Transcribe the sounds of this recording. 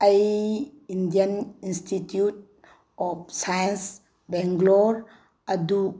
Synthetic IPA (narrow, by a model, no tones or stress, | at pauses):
ajindijəninstʰitjut̚ | ɔp̚sajəns | bɛŋɡlɔɾ | ɐd̪u